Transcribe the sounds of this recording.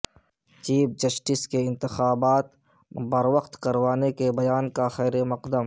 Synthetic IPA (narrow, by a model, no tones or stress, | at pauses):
t͡ʃiːp̚d͡ʒɐsʈɪskeɪ̃nt̪ɪxaːbaːt̪ | bɐɾwəqt̪kɐɾwaːnekebɐjaːnkaxɛːɾemɐqd̪əm